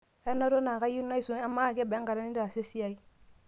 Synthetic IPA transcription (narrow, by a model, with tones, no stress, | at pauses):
ɛ˦na˦ɾo˦na˨ka˦ji˦na˦i˦su˨a˦mːa˦˨ɡɛ˦bɛ˦ŋka˨ɾa˦ni˦da˨se˦si˦ja˦i˦